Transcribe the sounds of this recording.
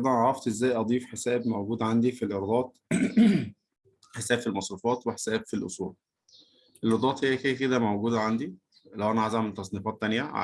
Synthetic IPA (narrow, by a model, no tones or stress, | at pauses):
d̪æʕɾˤɑft̪ʔezːæːjʔɑd̪ˤiːfħesæːbmowɡuːd̪ʕand̪ifilʔeɾd̪ˤɑːt̪̚ | ħesæːb̥filmɑsˤɾufɑːt̪weħe̥sæːbfilʔo̰sˤṵːl | ʔelʔeɾd̪ˤɑːt̪hejːækeæked̪æmowɡuːd̪æʕand̪i | læwʔænæʕazaʕment̪ːɑsˤniːfɑːt̪ːænjæʕa̰